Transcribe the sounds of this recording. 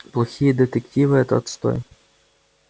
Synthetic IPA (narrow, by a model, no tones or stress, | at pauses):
plˠɐxʲijəd̪ɨt̪ektʲivɨɛt̪ə̰t̪st̪ɔ̰j